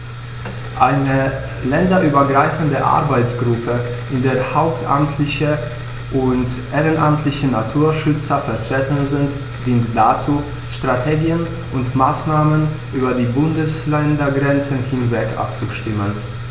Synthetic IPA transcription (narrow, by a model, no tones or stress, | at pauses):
ʔaɪnə | lɛndɐʔyːbɐɡʁaɪfəndəʔa̰ɐbaɪt͡sɡ̥ʁʊpʰəʔɪndeːɐhaʊp̚tʰa̰mtʰlɪçə | ʔʊntʔeːʁənʔamtʰlɪçənatʰuːɐʃʏt͡sɐfɛɐtʁ̥eːtənzɪnt | d̥ɪntd̥at͡suː | ʃtʁ̥atʰeɡiːən | ʔʊntmaːsnaːmən | ʔyːbɐdiːbʊndəslɛndɐɡʁɛnt͡sənhɪnvɛkʔa̰p̚t͡suʃtɪmən